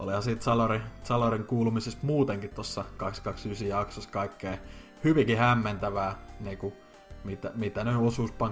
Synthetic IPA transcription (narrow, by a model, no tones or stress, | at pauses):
ʔo̰lihɑsiːt̪sɑlɑrisɑlɑriŋkuːlumisest̪muːt̪eŋkit̪t̪osːɑkɑkskɑksysijɑksoskɑikːeː | hyʋikihæmːent̪æʋæːniːku | mit̪æmit̪æneosuːspɑŋ